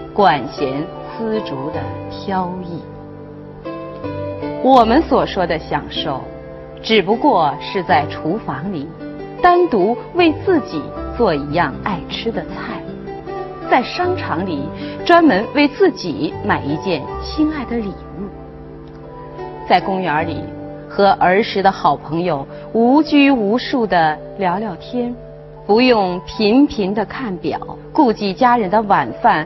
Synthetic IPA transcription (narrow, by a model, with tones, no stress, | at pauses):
kwa˨˩nɕjɛ˧˥n | sɹ̩˥ʈ͡ʂu˧˥d̪ə˧tʰjɑ˥ʊi˥˩ | wɔ˨˩mə˦nswɔ˨˩ʂwɔ˥d̪ə˨ɕjɑ̰˨˩ŋʂo˥˩ʊ | ʈ͡ʂɻ̩˨˩pu˧˥kwɔ˥˧ʂɻ̩˥˧t͡sa˥˩ɪʈ͡ʂʰu˧˥fɑ˧˥ŋli˨˩ | t̪a˥nt̪u˧˥we˥˧ɪt͡sɹ̩˥˩t͡ɕi˨˩t͡swɔ˥˩i˧˥jɑ˥˧ŋa˥˩ɪʈ͡ʂʰɻ̩˥d̪ə˨t͡sʰa˥˩ɪ | t͡sa˥˩ɪʂɑ˥ŋʈ͡ʂʰɑ˧˥ŋli˨˩ʈ͡ʂwa˥nmə˧˥nwe˥˧ɪt͡sɹ̩˥˩t͡ɕi˨˩˦ma˨˩ɪi˧˥t͡ɕjɛ˥˩nɕi˥na˥˩ɪd̪ə˨li˨˩u˥˩ | t͡sa˥˩ɪkʊ˥ŋə˞˧˥lḭ˨˩ | xɤ˧˥ʔə˞˧˥ʂɻ̩˧˥d̪ə˧xɑ˨˩ʊpʰɤ˧˥ŋjo˧ʊ | u˧˥t͡ɕy˥u˧˥ʂu˥˩d̪ə˩ | ljɑ˧˥ʊljɑ˥˩ʊt̪ʰjɛ˥n | pu˧˥jʊ˥˩ŋpʰi˧˥npʰi˧˥nd̪ə˧kʰa˥˩npjɑ̰˨˩˦ʊku˥˧t͡ɕi˥˩t͡ɕja˥ɻə˧˥nd̪ə˧wa˨˩nfa˥˩n